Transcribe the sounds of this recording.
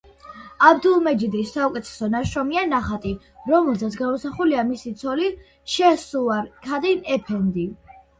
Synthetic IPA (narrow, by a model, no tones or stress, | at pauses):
abd̪ulˠmɛd͡ʒid̪isːaɔkʼɛt̪ʰɛ̥sɔnaʃɾɔmianaχat̪ʼi | ɾɔmɛlˠsat̪s̬ʰɡamusaχuliamisit̪sʰɔli | ʃɛsuaɾkʰad̪inɛpʰɛnd̪i